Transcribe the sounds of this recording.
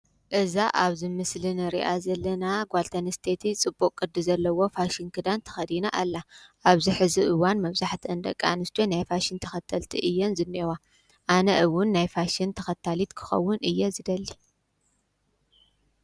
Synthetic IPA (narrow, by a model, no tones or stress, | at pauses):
ʔɨzaʔaβzɨmɨslɨnɨɾḭʔazɐlːɐnaɡʷalt̪ʰɐnɨst̪ʰet̪ʰit͡sʼɨbːukʼːɨd̪ːizɐlːɐwo̞faʃinkʰɨd̪ant̪ʰɐ̥xɐd̪inaʔalːaʔaβziħɨziʔɨwanmɐβzaħt̪ʰiɨnd̪ɐ̰kʼːa̰nɨst̪ʰonajfaʃint̪ʰɐxɐt̪ʰːɐlt̪ʰiʔɨjːonzɨnːewa | ʔanɐʔɨwʊnːajfaʃint̪ʰɐxɐt̪ʰːalit̪kʰɨ̥xɐ̰wːʊnɨjːɛzɨd̪ɐlːi